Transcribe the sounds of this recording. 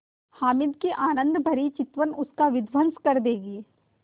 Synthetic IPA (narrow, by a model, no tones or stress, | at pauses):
haːmɪd̪kiʔaːnə̃nd̪bʱɐɾit͡ʃɪt̪ʋənʊskaʋɪd̪ʱʋənskɐɾd̪eːɡiː